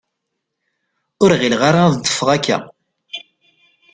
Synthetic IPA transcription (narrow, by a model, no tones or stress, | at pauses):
ʊɾʁilʁaɾaðd̪ˤːə̥fəʁækːæ̰